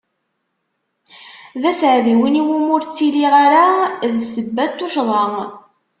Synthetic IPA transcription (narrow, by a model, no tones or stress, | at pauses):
ðæsʕðiwiniwumʊɾt͡sːiliʁaɾaðsəbːæt̪ːuʃðˤɑŋ